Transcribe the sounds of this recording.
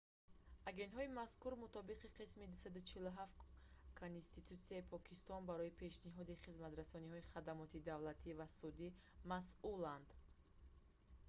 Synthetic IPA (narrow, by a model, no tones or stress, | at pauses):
aɡe̞nt̪hɔimaskuɾmut̪ɔbiqiqʰismid̪usad̪ut͡ʃʰiluɦaft̪ | kʰonst̪it̪ut̪siaipʰɔkʰist̪ɔnbaɾɔipʰe̞ʃniɦɔd̪iχizmat̪ɾasɔnihɔiχad̪amɔt̪id̪avlat̪ʰivasud̪imasuland̪